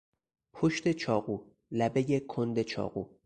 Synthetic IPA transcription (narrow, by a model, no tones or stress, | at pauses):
pʰoʃt̪e̞t͡ʃʰɒːɣuː | læbe̞jekʰond̪e̞t͡ʃʰɒ̰ːɣuː